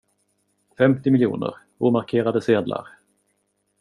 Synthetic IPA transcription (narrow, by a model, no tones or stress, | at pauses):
fɛmt̪ɪmɪljṵːnə̰ɾ | uːmaɾkʰeːɾad̪əseːd̪lʔa̰ɾ